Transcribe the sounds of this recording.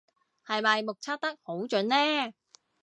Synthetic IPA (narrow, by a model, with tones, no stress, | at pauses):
hɐ˨jmɐ˨jmʊ˨k̚t͡sʰa˥t̚t̪ɐ˥k̚ho˨˥wt͡ʃɵ˨˥nlɛː˥